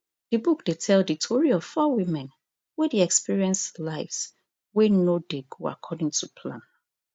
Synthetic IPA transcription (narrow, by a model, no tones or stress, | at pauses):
d̥ibukd̥etʰɛlditʰɔɹiɔv̥fɔwimɛ̃n | wediɛkspiɹiɛ̃nslaɪfs | wenodeɡoa̰kʰɔdĩŋtʰupʰlã̰n